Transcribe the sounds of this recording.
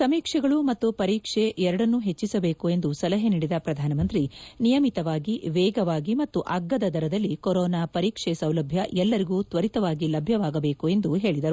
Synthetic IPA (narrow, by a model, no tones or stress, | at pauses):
sɐmiːkʂɛɡɐɭumɐt̪ːupɐɾiːkʂe̞ɛɾɐɽɐnːuɦe̞t͡ʃːisɐbe̞ːkue̞nd̪usɐlɐɦeniːɽid̪ɐpɾɐd̪ʱaːnɐmɐnt̪ɾinijɐmit̪ɐʋaːɡiʋɛːɡɐʋaːɡimɐt̪ːuʔaɡːɐd̪ɐd̪ʱɐɾɐd̪ɐlːikɔɾɔːnaːpɐɾiːkʂesɐwlɐbʱjɐʔɛlːɐɾiɡuːt̪ʋɐɾit̪ɐʋaːɡilɐbʱjɐʋaːɡɐbe̞ːkue̞nd̪uɦe̞ːɭid̪ɐɾu